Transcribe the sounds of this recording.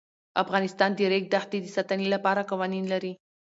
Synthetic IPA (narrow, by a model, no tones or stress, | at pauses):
afɣɑnɪst̪ɑnd̪əɾek̚d̪axt̪ed̪əsat̪ənelapɑɾaqɑwɑninlaɾi